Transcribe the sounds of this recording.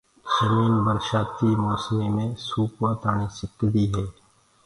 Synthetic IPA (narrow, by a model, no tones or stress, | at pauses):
sɐmiːnbəɾʃaːt̪imɔːsmemẽsuːkwat̪aːɽisɪkd̪iɦɛː